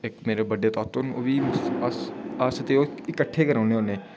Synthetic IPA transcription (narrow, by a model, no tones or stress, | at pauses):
ekmeːɾebəɖeːt̪ɔːt̪ʊno̰ːʋiːsaːsət̪eoːɪkəʈʰːeːkəɾãːneɦoːneː